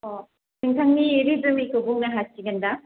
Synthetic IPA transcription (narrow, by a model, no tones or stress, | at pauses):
ɔ | tɯŋtʰaŋniːɾibɯmikɯbuŋnaɦasiɡɯnda